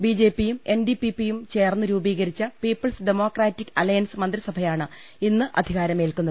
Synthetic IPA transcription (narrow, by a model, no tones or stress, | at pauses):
bid͡ʑe̞ːpːijume̞nɖipipːijumt͡ɕe̞ːrnːɨɾuːbiːɣɐɾit͡ɕːɐpiːpːɐlsɖemo̞ːkraːtːikːɐlɐjɐnsmɐnd̪risɐbʱɐjaːɳɨ | inːɨʔɐ̰d̪ʱiɣaːɾɐmeːlkunːɐð